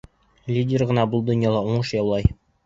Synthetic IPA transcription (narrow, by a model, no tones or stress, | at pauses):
lʲidʲerʁɤ̆nɑbulˠd̪onʲjɑlˠɑuɴɤʃjɑwlˠɑj